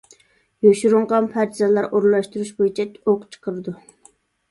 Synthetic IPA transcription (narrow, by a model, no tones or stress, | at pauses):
joʃuɾʊɴʁɑnpʰæɾt̪ʰizɛlˠɑɾoɾlˠːɑʃt̪uɾuʃbojit͡ʃʰɛoqt͡ʃʰə̥qʰəɾɨd̪u